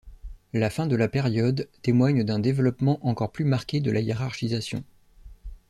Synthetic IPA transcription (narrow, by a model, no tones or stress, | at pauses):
lafɛ̃d̪əlapeʁjɔd̪t̪emwaɲd̪ɛ̃d̪evlɔpmɑ̃ʔɑ̃kɔʁplymaʁkʲed̪əlajeʁaʁʃizasjɔ̰̃